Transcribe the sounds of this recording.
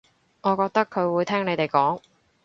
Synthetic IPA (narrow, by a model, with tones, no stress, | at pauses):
ŋɔː˨˧kɔː˧k̚t̪ɐ˥kʰːɵ˨˧ɥwuː˨˧jt̪ʰɛː˥ŋne˨˧jt̪e˨˩jkɔː˨˥ŋ